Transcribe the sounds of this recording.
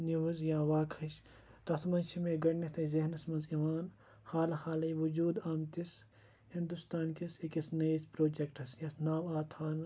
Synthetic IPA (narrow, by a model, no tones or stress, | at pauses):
niʋɐzjãːʋaːkʰɐʃ | t̪ɐt̪mɐnʃʰimẽːɡɐɽnit̪ʰɐzɐɦnɐsmɐnzimaːn | haːlhaːlɐjʋud͡ʒuːd̪aːmt̪is | hĩnd̪ust̪aːnkiskisnɐjispɾoːd͡ʒek̚ʈɐsjɐsnaːmaːt̪ʰaːn